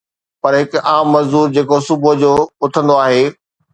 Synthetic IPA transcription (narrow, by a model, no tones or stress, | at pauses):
pɐɾɦɪkaːmːɐzd̪uːɾd͡ʑeːkosʊbʊɦd͡ʑoːʊt̪ʰə̃nd̪oaːɦeː